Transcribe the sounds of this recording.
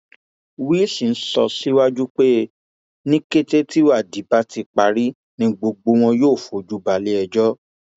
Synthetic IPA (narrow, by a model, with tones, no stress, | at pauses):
wi˦si˨n̩˦sɔ̰˧si˦wa˦d͡ʒu˦k͡pe˦ | nĩ˦ke˦te˦ti˦wa˦˨di˨˦ba˦ti˧k͡pa˨ɾi˦ | nĩ˧ɡ͡bo˧ɡ͡bo˧˦w̃ɔ̃˧joː˦˨fo˨d͡ʒu˨˦ba˧le˦ɛ˧d͡ʒɔ˦